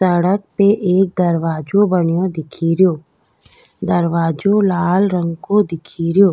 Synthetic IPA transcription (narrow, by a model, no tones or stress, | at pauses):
səɽək̚peʔeːk̚d̪əɾʋaːd͡ʒõbəɳjõd̪ɪkʰiɾjoː | d̪əɾʋaːd͡ʒõlaːlɾə̃ŋɡkod̪ɪkʰiɾɪjoː